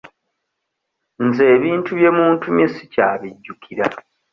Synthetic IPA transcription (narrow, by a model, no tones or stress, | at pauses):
nze̞ːβiːntʰuβje̞muːntumesicaːβiɟːukʰiɾa